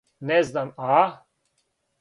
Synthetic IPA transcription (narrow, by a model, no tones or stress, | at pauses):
nɛznama